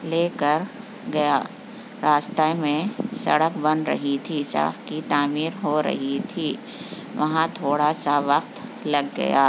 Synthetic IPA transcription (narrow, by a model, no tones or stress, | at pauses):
leːkəɾ | ɡɐjaː | ɾaːst̪amẽsɐ̰ɽəkbɐ̃nɾɐ̰ɦit̪ʰisɐ̰ɽə̰kkit̪aːmiːɾɦoɾɐ̰ɦit̪ʰiː | ʋɐɦãt̪ʰoːɽasaʋɐqt̪lɐɡːɐ̰jaː